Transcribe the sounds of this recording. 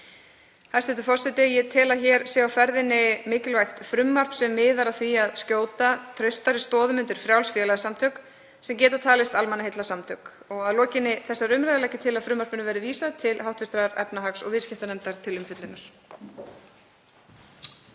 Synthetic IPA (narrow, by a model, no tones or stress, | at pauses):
hast̪ɛht̪ʏfɔrsɛt̪ɪjɛt̪ʰɪlaçɛɾsɛːawfɛɾðɪnːɪmɪːcɪlvajxt̪fɾʏmːar̥psɛmːɪːðaɾaθviaðscoːwt̪at̪ʰɾœɥst̪aɾɪst̪ɔːðʏmʏnt̪ɪɾ̥fɾjawlsfjɛːlaðsamt̪ʰœk | sɛmc̬ɛːt̪at̪ʰaːlɪst̪almanahejt̪lasamt̪ʰœk | ɔɣaðlɔːcɪnːɪθɛsːaɾʏmɾajðalajcɪt̪ʰɪlaðfɾʏmːaɾ̥pɪnʏvɛːɾɪviːsaðt̪ʰɪlhawht̪vɪst̪ɾaɾɛ̰pnaɦaksɔ̰ɣvɪscɪht̪anɛmt̪aɾ̥t̪ʰɪlʏmfɪt̪lɪnːaɾ̥